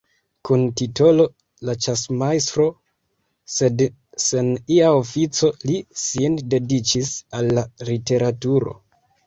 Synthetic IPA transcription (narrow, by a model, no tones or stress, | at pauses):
kuntito̞lo̞ | lat͡ʃasmajs̬tɾo̞ | sed | seniaofit͡so̞lisinde̞dit͡ʃisalːalite̞ɾatuɾo̞̰